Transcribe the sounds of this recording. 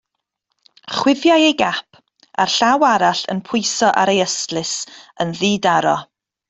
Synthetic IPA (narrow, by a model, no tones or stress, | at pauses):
χwɪvjajejɡapʰ | a̰rɬawaɾaɬə̰npʰʊjsɔʔa̰ɾejəstlɪsənðiːdaɾɔ